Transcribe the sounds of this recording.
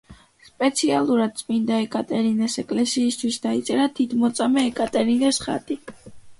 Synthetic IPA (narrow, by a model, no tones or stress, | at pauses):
spʼɛt̪sʰialˠuɾad̪̚t̪sʼmind̪aɛkʼat̪ʼɛɾinɛsɛkʼlɛsiːst̪ʰwisd̪ait̪sʼɛɾat̪ʰit̪ʰmɔt̪sʼamɛːkʼat̪ʼɛɾinɛsχa̰t̪ʼi